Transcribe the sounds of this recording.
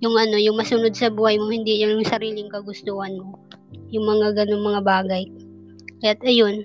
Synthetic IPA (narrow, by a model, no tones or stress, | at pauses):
jʊŋʔɐno̞jʊŋmɐsʊno̞d̪̚sɐbuːhɐjmohɪnd̪ijʊnjʊŋsɐɾiːlɪŋkɐɡʊst̪uːhɐnmojʊŋmɐŋaɡɐno̞ŋmɐŋabaːɡɐj | kɐjat̪̚ɐjo̞n